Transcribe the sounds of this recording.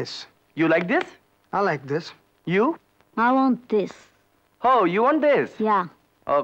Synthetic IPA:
ɪs | julaɪk̚d̪ɪs | aɪlaɪk̚d̪ɪs | ju | aɪwɔ̃nt̚d̪ɪs | hojuwɔ̃ɳʈ̚d̪ɪsja | ʔo

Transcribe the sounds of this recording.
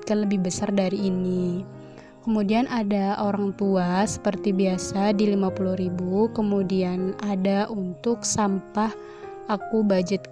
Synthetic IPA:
kanləbɪhbəsardaɾiːni | kəmudianadaoɾaŋt̪uasə̥pərt̪ibiasadilimapuluhɾibukəmudianadaʔunt̪ʊksampah | akubad͡ʒət̪̚

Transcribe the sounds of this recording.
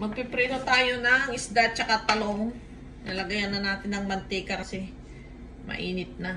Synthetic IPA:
mɐɡ̚pɪpɾɛd̪ot̪aːjonɐŋʔɪsd̪at͡ʃɐkat̪ɐloŋ | nɐlɐɡɐjanːɐnaːt̪ɪnɐŋmɐnt̪ɪkɐɾɐsɪ | mʔɐ̰ʔiːnɪt̪̚na

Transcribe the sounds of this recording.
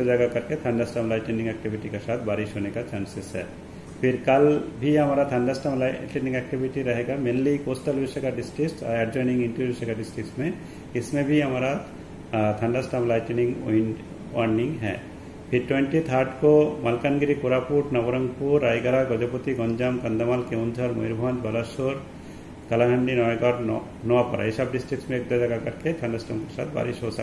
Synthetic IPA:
od͡ʒaɡakɐɾket̪ʰɐ̃ɳɖasʈamlaːɪʈenɪ̃ŋɡɛk̚ʈibʱiʈikesaːt̪ʰbaːɾɪʃɦonekat͡ʃaːnsɪsɦɛ̰ː | pʰɪɾkɐlbʱiɦɐmaɾat̪ʰɐ̃ɳɖasʈamlʈenɪ̃ŋɡɛk̚ʈibʱɪʈiɾɐɦeɡamenlikoːsʈəlʋɪsəkaɖɪsʈɾɪkʈa̰ɾɛɖd͡ʒɔːjnɪ̃ŋɡɪ̃ɳʈəɪsəkaɖɪsʈɾɪksmẽ | ɪsmẽbʱiɦɐmaɾa | t̪ʰɐ̃ɳɖasʈamlaːɪʈnɪ̃ŋɡn | ɔɾnɪ̃ŋɡɦɛ̰ː | pʰɪɾʈwẽɳʈit̪ʰaɾʈkomɐlkanɡɾikʊɾapuʈnɐʋɾə̃ŋɡpuɾːaːjɡəɾaɡɔd͡ʒəpot̪iɡɔ̃ɲd͡ʒamkɐ̃nd̪əmalkeʊ̃nd̪ʱəɾmo̰jɾbʱə̃nd̪bɐlaʃoɾ | kɐlaɦɛ̃mɖinɔeɡaɾ | nɔapɐɾa̰ɪsəbɖɪsʈɾɪk̚ʈmẽeːk̚d̪ɔd͡ʒɐɡakɐɾket̪ʰɐ̃ɳɖasʈamkesa̰ːt̪ʰba̰ːɾɪʃɦosɐ̰

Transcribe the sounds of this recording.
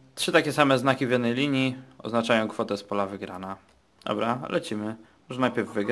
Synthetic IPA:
tʂɘt̪akʲɛsamɛznakʲivjɛd̪nɛjlʲiɲjiɔ̰znat͡ʂajɔ̃w̃kfɔt̪ɛspɔlavɘɡɾana | d̪̥ɔ̰bɾalʔɛ̰t͡ɕimɘ | mɔʐɛnajpʲjɛɾvːɘɡɾ

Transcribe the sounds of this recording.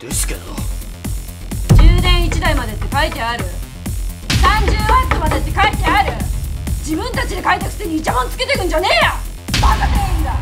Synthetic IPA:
d̪̥esɨ̥ked̪o | d͡ʑɨːnẽ̞ɰ̃it͡ɕid̪aimad̪e̞t̪ːe̞kait̪e̞aɾɯ̟ | sãɲd͡ʑɨːat͡sɨmad̪e̞t̪ːe̞kait̪e̞aɾɯ̟d͡ʑibɯ̟̃nt̪at͡ɕid̪e̞kait̪ekɯ̥t̪eɲ̟iːt͡ɕamõnt͡sɨ̥ke̞t̪e̞kɯ̟̃ɲd͡ʑane̞ːja | mak̪ak̪eĩnd̪a

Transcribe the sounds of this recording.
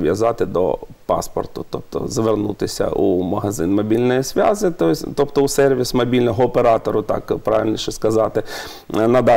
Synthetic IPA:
ʋʲjɐzɑt̪ɪd̪ɔ̰pɑ̰spɔ̰rt̪ʊt̪ɔp̚t̪ɔ̰zɐʋernut̪ɪsʲɐ̰ʔumɐɦɐzɪnmɐbʲilʲnɔjisʲʋʲazɪt̪ɔsʲt̪ɔpt̪ɔusɛrʋʲismɐbʲilʲnɔɦɔːpeɾɑt̪ɔɾʊt̪ɑ̰kpɾɑʋʲilʲnʲiʃɛskɐzɑt̪ɪ | nɐd̪ɑ

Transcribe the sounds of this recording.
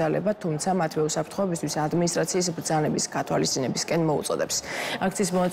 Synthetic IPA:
alɛ̰bat̪ʰumt̪sʰamat̪ʰwɛusapʰɾt̪ʰχɔɛbis̬t̪ʰwisad̪minis̬t̪ʼɾat̪sʰiːs̬bɾd̪zanɛbisɡat̪ʰwa̰list̪sʼinɛbiskʼɛnmɔṵt̪sʼɔ̰d̪ɛpsak̚ʰt̪sʰiːsmɔnat̪ʼ

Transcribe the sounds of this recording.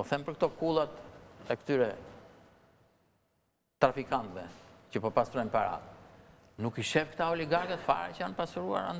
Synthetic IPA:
ɔθɛmpəɾk̚t̪ɔkulˠat̪ɛkt̪yɾɛ | t̪ɾafikant̪vɛcəpɔpast̪ɾɔjnpaɾa̰t̪ | nukiʃɛfkt̪aɔliɡaɾkɛt̪fa̰ɾɛ̰cəanpasɾua̰ɾa̰n

